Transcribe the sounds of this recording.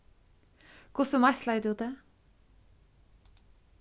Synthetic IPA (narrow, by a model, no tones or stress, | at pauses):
kʰʊsɔmæslæɪd̪ʉːd̪eː